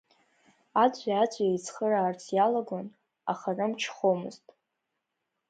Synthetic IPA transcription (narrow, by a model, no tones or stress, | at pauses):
at͡sʷʼaat͡sʷʼajejt͡sʰχəraːrt͡sʰjalaɡʷon | a̰χarɨmt͡ʃʰχomɨ̰ztʼ